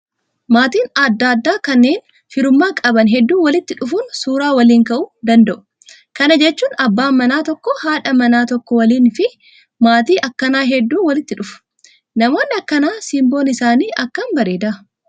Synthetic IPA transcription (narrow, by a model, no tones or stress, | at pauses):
maːt̪iːnɐd̪ːaːd̪ːaːkɐnːe̞ːn | fɪɾʊmːaːkʼɐbɐnɦɛd̪ːuːwɐlɪt̪ːɪᶑʊfunsuːɾaːwɐliːŋkɐʔʊd̪ɐnd̪ɐʔʊ̥ | kɐnɐd͡ʒɛt͡ʃːuːnɐbːaːmɐnaːt̪ɔkːɔhaːᶑɐmɐnaːt̪ɔkːɔwɐliːnfɪ | maːt̪iːʔɐkːɐnaːɦɛd̪ːuːwɐlɪt̪ːɪᶑʊfʊ̥ | nɐmo̞ːnːɪɐkːɐnaːsimbo̞ːnɪsaːniːʔɐkːɐnbɐɾeːd̪ɐɐ